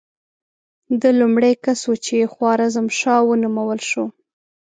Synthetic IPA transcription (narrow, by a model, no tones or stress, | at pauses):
d̪əlumɽejkasot͡ʃeexwɑɾazamʃɑwənumawəlʃo